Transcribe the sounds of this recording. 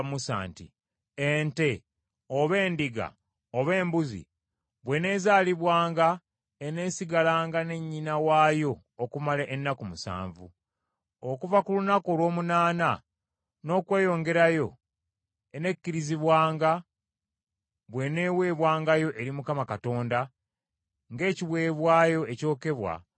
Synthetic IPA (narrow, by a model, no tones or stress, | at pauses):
musa̰ːntḭ | ente̞ | oβe̞ːndiɡa̰ | oβe̞ːmbuzḭ | βwe̞ne̞ːzaːliβwaːŋɡa | ene̞ːsiɡalaːŋɡane̞ɲːinawaːjo̞ːkumaleʔenːakumusa̰ːɱvṵ | okuvakulunakolwo̞ːmunaːna | no̞ːkwe̞ːjo̞ːŋɡe̞ɾajo̞ | ene̞kːiɾiziβwaːŋɡa | βwe̞ne̞ːwe̞ːβwaːŋɡajo̞ʔe̞ɾimukamakato̞ːnda | ŋɡe̞ːciβwe̞ːβwaːjo̞eco̞ːke̞βwa̰